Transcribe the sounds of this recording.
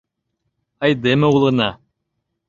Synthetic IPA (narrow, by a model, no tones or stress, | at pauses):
ɑjd̪ɘmɘulˠɤ̆nɑ